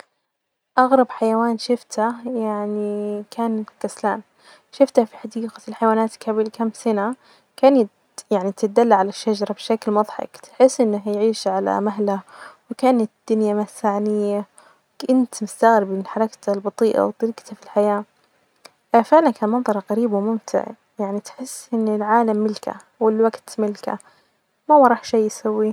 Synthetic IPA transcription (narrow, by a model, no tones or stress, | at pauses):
ʔɑɣɾˤɑbħajawaːnʃɪft̪hajaʕnikʰaːnkaslaːn | ʃɪft̪hafi̥ħaɑd̪iːqḁlħajwaːnaːt̪kabilkamsana | kaːnat̪ | jaʕnit̪ɪt̪̚d̪alːaʕalaʃːad͡ʒɑɾˤɑbɪʃaklmɑðˤħɑ̰kt̪ħɪsːʔɪnːaɦjʕiːʃʕala̰maɦlawɪkaːnat̪d̪̥ʊnjamasaʕnɪjːa | kɪnt̪mʊst̪aɣɾɪbɪɪlħɑɾˤɑkt̪albɑt̪ˤiːʔa̰wt̪ˤːɑɾiːqt̪afilħajaː | fɪʕlankaːnmɑnðˤɑɾˤɣaɾiːbwmʊmt̪ʰɪ̰ʕ | jaʕnit̪ħɪsːʔɪnːɪlʕaːlamːɪlkʰa̰ | wɪlwaɡt̪mɪlka̰ | mawɑɾˤɑːħʃiːjːsawːi